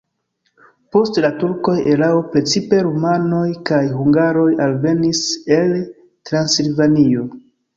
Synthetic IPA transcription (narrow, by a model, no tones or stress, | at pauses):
po̞stlatuɾko̞je̞ɾaopɾe̞t͡sipe̞ɾumano̞jkajɦuŋɡaɾo̞jalve̞nise̞l | tɾansilvanio̞